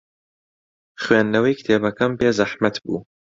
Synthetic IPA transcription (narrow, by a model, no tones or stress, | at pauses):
χweːnːɐwɐjkʰt̪ʰeːbɐkɐmpeːzɐħmɐt̪bṵː